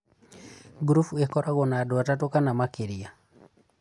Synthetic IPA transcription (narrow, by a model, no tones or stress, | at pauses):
ɡɾufuekɔɾaɣɔnaːdɔatatokanamakeɾia